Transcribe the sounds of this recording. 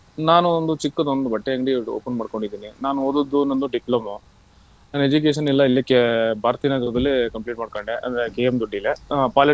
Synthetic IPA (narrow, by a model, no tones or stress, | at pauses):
naːnuond̪ut͡ʃikːɐd̪ond̪ubɐʈːeɐŋɡɖio̰ːpɐnmaːɖko̞ɳɖid̪iːninaːnuoːd̪ud̪unond̪uɖiplɐmu | ɐned͡ʒuk̬eːʂ̬ɐnilːɐilːɐkːebʱaːɾɐt̪inaːɡɐɾɐd̪ɐlːikɐmpliːʈ̚maːɖkɐɳɖeʔɐ̰nd̪ɾekeːjemd̪uɖːilepaːle